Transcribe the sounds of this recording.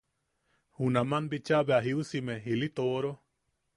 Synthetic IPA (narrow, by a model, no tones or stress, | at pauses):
hunãmãnbit͡ʃabeaɦiusimeɦilit̪oːɾo